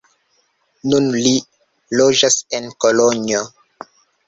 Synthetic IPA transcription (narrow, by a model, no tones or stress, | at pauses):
nunli | lod͡ʒasenkolonjo